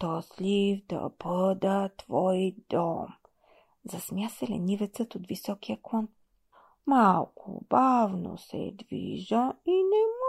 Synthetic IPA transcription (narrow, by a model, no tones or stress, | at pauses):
t̪ɔslifd̪ɐ̰bɤd̪ət̪v̥ɔjd̪ɔ̰m | zɐsmʲjasɛlɛ̰nivɛt̪sət̪ot̪visɔkijəklˠɔn | malˠkʰo̰bavno̰sɛ̰d̪vḭʒəinɛm